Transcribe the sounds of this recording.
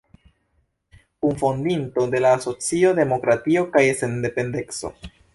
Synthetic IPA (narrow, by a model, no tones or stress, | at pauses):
unfo̞ndinto̞de̞laːso̞t͡sio̞de̞mo̞kɾatio̞kajesende̞pe̞nde̞nso̰